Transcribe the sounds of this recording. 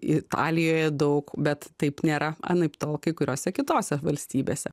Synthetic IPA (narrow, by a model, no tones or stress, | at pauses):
ɪt̪ɑ̰ːlʲɪjoːjɛd̪ɐʊkbʲɛt̪t̪ɐɪpnʲeːɾɐɐ̰nɐɪpt̪oːlˠkɐɪkʊɾʲoːsʲɛkʲɪt̪oːsʲɛʋɐlʲsʲt̪ʲiːbʲeːsʲɛ